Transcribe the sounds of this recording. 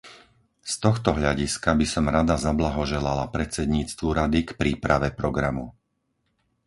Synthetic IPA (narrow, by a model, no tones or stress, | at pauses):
st̪ɔxt̪ɔɦʎaɟiskabisɔmɾad̪azablaɦɔʒɛlalapɾɛt͡sɛd̪ɲiːt͡st̪ʋuɾad̪ikpɾiːpɾaʋɛpɾɔɡɾamu